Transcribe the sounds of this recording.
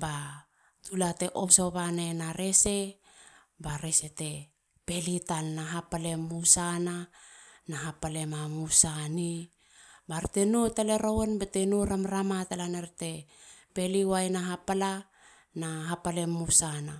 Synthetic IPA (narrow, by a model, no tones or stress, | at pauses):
ba | tulate̞ʔopsoβanenaɾe̞se̞ | baɾesete̞ | pe̞litalnaɦapale̞musananaɦapale̞mamusani | baɾte̞notaleɾowenbetenoɾamɾamatalaneɾte̞pe̞liwajnaɦapala | naɦapale̞mːusana